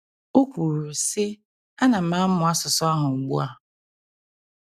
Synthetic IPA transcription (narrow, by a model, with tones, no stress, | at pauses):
o˦kʷu˨ɾu˨si˦ | a˦na˨m̩a˨˦mʊ˨a˦sʊ˨sɔ˦a˦ɦʊ˨ɡ͡bṵ˦a˦